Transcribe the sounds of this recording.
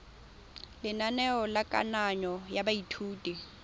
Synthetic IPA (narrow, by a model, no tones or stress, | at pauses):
lɪnanɛɔlakʼa̰naɲɔjabaitʰuːtʼi